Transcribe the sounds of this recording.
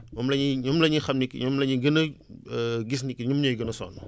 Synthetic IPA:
mɔmlɐɲiɲumlɐɲixɐmnikːḭɲumlɐɲiɡənɐəɡis̬nikːiɲumɲojɡənɐsɔ̰ːn

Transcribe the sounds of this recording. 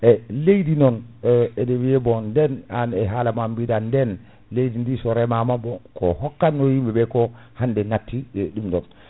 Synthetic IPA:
ʔɛlejdinɔnɛdewijɛbɔndɛnanɛɦalamambidandɛn | lejdindisɔɾɛmamabɔkʰɔ̰hɔkːanːɔjimbɛbɛkɔ | handɛnatːiɗimdɔn

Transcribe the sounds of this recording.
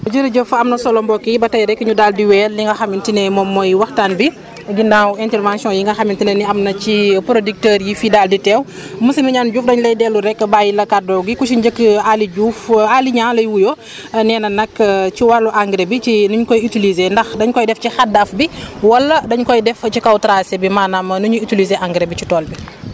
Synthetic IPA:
ɟəɾɐɟəfɐmnɐsɔlɔmbɔkːibɐtɐjɾɛkːəɲudaldiwɛːlliŋɡɐxɐmintinɛmɔmːɔjwɐxtanbi | ɡindawɛntɛɾvãnsiɔ̃njiŋɡɐxɐmintinɛniɐmnɐcipɾodik̚təːɾjifidalditɛːw | məsɐmiɲanɟuːfdɐɲlɐjdɛːluɾɛkːəbajilɐkadɔɡikusinɟəkːaliɟuːfaliɲaːnlɐjwujɔ | nɛːnɐnɐkːciwalːuʔaŋɡɾebit͡ʃinuɲkɔjitilizendɐxdɐɲkɔjdɛfcixadafbiwɐlːɐdɐɲkɔjdɛft͡ʃikawtɾasebimaːnamɐnuɲuitilizeʔaŋɡɾebit͡ʃitɔːlbi

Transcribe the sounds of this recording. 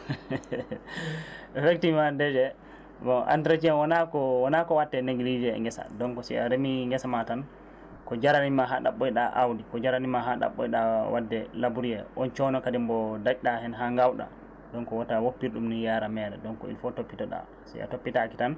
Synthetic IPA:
ɛfektimadɛd͡ʒɛ | bɔʔa̰ntɾet͡ʃiɛnwɔnakɔwɔnakɔwatːɛneɡlid͡ʒɛɛ̰ŋɡɛsa̰dɔnkɔsḭa̰ɾemiŋɡɛsamatan | kɔd͡ʒaɾanimaɦaɗa̰ɓɔjɗaʔawdikɔd͡ʒaɾanimaɦaɗa̰ɓːɔ̰jɗa̰wadːɛlabuɾijɛʔɔnt͡ʃɔnɔkadimbɔdat͡ʃɗahɛnɦaŋɡawɗa̰ | dɔnkɔwɔtawopːiɾɗumnijaːɾamɛːɾɛdɔnkɔ̰ḭnfɔtopːitɔɗa̰ | sḭʔa̰topːitakitan

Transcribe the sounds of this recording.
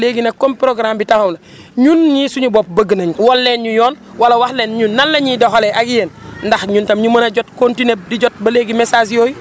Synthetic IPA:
leɡinɐkːompɾoɡɾambitahumlɐ | ɲunɲisuɲuboːp̚bəɡənaɲuwɔlːeːnɲujɔːn | walawaxleːnɲunːalːɐɲidoxoleʔaɡijenndaxɲuntɐmɲumɐnaɟotkontinep̚diɟot̚bɐleːɡimesas̬ijoːji

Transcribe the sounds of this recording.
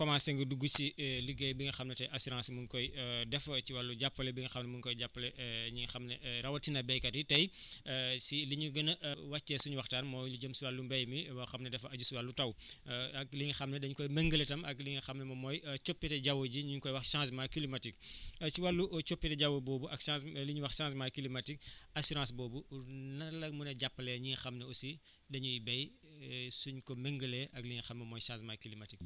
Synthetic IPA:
kɔmasɛŋɡuduɡusiliɡɛjbiŋɡɐxɐmnɐtɐjʔɐsuɾãːsmunkɔjdɛfɐt͡ʃiwalːuɟapːɐlɛbiŋɡɐxɐmnɐmunkɔjɟapːɐlɛɲuŋɡɐxɐmnɐɾɐwɐtinɐbɛjkɐtitɐj | siliɲuɡɐnɐʔwɐt͡ʃːɛsuɲwɐxtaːnmɔːluɟəmsuwalːumbɐjmiɐxɐmnɐdɛfɐɐɟusuwalːutɐwɐk̚liŋxɐmnɛdɐɲukɔjmɛŋɡəlɛtɐmɐkliŋixɐmnɛmɐmɔːjt͡ʃopːitɛɟawoɟiɲuɲkɔjwɐxʃãːsmakilimɐtik̚siwalːuʔt͡ʃopːitɛɟɐwoboːbuʔɐksãsliɲuwɐxsãːsmaːjkilimɐtik̚ɐsuɾãːsbɔːbunɐlɐmunɐɟapːɐlɛɲiŋxɐmnɛosi | dɐɲujibɛj | suɲkɔmeŋɡəlɛʔɐkliŋixɐmmɐmɔːjsãːsmajkilimɐtik

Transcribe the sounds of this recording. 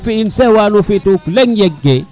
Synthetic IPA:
fiinsɛwanufituklɛŋjɛɡːɛ

